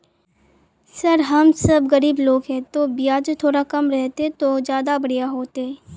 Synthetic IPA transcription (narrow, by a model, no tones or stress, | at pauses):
sɐɾɦɐmsɐbɣɐɾiːbloːɡɦɛ̃t̪oːbijaːd͡ʒt̪ʰoːɾakɐmɾɛɦt̪ẽt̪oːd͡ʒjaːd̪abɐɽijaɦoːt̪eɛ